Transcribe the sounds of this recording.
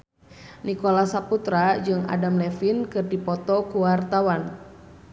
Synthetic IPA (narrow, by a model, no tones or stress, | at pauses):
nikɔlasaput̪ɾad͡ʒɨŋa̰damlɛfinkɨrdipɔt̪ɔkuwart̪awan